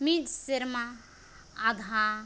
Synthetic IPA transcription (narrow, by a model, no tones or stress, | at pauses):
mid͡ʒsiɾmaː | d̪ʱa